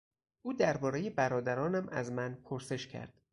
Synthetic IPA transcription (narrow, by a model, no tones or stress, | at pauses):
ʔuːd̪æɾbɒːɾe̞je̞bæɾɒːd̪æɾɒːnæmʔæ̰zmænpʰoɾse̞ʃcʰæ̰ɾd̪̥